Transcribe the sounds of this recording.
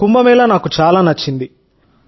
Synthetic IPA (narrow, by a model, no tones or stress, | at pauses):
kumbɐmiːlɐnaːkut͡ʃaːlaːnɐt͡ʃːind̪i